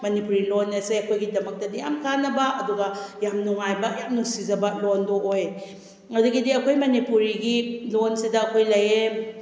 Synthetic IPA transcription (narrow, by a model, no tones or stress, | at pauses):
mɐnipuɾilonːɐseɐkʰojɡidɐmɐk̚tɐdijamkʰanːɐbɐʔɐduɡɐjamnuŋajbɐjamnuŋsizɐbɐlondoʔoj | ŋɐduɡidiɐkʰojmɐnipuɾiɡilonsidɐɐkʰojlɐje